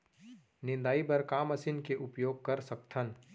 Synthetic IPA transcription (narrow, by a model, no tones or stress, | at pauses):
nɪ̃nd̪aːibɐɾkaːməsinkeʔʊpjoːɡ̚kɐɾsɐkt̪ʰən